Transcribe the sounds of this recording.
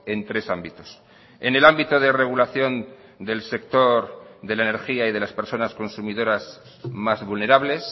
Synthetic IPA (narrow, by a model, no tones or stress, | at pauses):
e̞nt̪ɾe̞sambit̪o̞s | e̞ne̞lambit̪oð̞e̞re̞ɣ̞ulaθjo̞n | d̪e̞lse̞kt̪o̞ɾðelaene̞ɾxiaið̞e̞laspe̞ɾso̞nasko̞nsumiðo̞ɾas | mazβulne̞ɾaβle̞s